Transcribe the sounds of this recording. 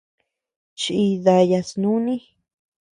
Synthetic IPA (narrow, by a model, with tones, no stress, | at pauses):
t͡ʃi˧ða˧ja˧snũ˦nĩ˦